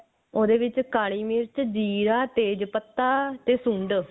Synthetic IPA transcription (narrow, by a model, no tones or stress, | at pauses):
oːd̪eːʋɪt͡ʃkaːɽiːmɪɾt͡ʃd͡ʒiːɾaːt̪eːd͡ʒpət̪ːaːt̪eːsʊ̃ɳɖ